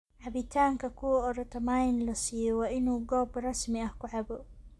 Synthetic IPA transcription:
ʕɑβɪt̪ʰaːŋkʰɐkʰʊwɔɔɾɐt̪ʰɐmaːjnlɐsiːjɔwɑːʔɪnuːɡɔːbrɑsmɪɐhkʰʊʕɑbɔ

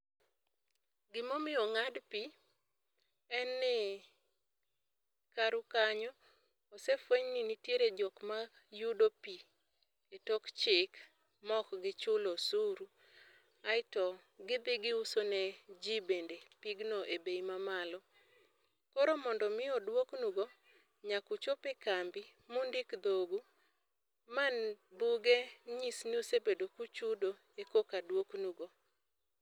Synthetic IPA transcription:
ɡɪmomɪɔŋadpi | ɛnːɪ | kaɾukaɲɔː | sefweɲninitjeɾed͡ʒɔkma | judopi | etɔkt͡ʃɪk | mɔkɡɪt͡ʃʊlosuɾu | aɪtɔɡɪd̪ɪɡɪusoned͡ʒibendepiɡnoʔebejmamalɔ | kɔɾomɔndɔmɪɔdwoknuɡo | ɲakut͡ʃopekambimundɪkd̪oɡu | manbuɡeɲisnusebedokut͡ʃudo | ekokadwoknuɡo

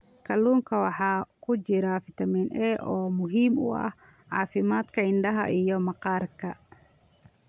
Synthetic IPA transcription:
kʰɐluːŋkʰɐwɑħɑːkʰʊt͡ʃɪɾɐfɪt̪ʰɐminʔɛːʔɔːmʊɦiːmʊ̰ɐ̰h | ʕɑ̰ːfɪmaːd̪kʰɐɪɳɖɐɦɐ̰ʔijɔmɑqɑːrkʰɐ

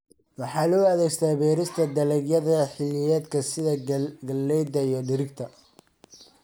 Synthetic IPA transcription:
wɑħɑːlʊæðɛjst̪ʰaːbɛːɾɪst̪ʰɐd̪ɐlɛɡjɐðɐħɪlɪjɛːd̪kʰɐsɪðɐɡɐlːɛjd̪ɐijɞɖɪɾɪɡt̪ʰɐ

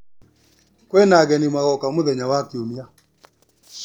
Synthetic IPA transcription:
kwɛnaɣɛnimaɣɔkamoðɛɲawakiumia

